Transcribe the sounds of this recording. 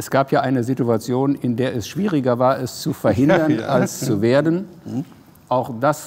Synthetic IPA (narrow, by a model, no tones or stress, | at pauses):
ʔɛsɡ̥aːpjaːʔaɪnəzituat͡sjoːnɪndeːɐɛsʃv̥iːʁɪɡɐvaːɐɛst͡sufɛɐɦɪndɐnalst͡suveːɐdən | ʔaʊxd̥as